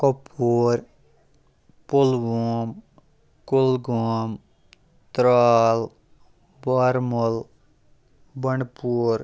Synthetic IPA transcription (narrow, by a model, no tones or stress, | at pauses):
kopʰːuːɾ | pʊlʋoːm | kʊlɡoːm | t̪ɾaːl | baɾməl | bəɳɖpuːɾ